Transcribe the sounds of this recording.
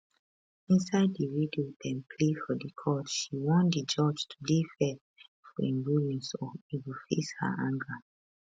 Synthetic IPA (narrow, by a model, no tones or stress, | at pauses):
ĩnsaɪddiwidoɛ̃npʰlefɔdikʰɔtʃiwɔ̃ndid͡ʒɔd͡ʒtʰudefɛ | fɔɛ̃nbulɛ̃nsɔitwilfḛshə̰ʔãŋɡə